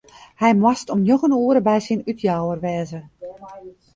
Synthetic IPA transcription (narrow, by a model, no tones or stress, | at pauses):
hɛjmwɔstɔmjoxənuəɾəbɛjsinytʰjaːwərʋɛːzə